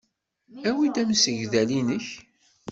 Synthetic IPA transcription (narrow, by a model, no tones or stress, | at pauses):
æwid̪æmsəʝðælinəç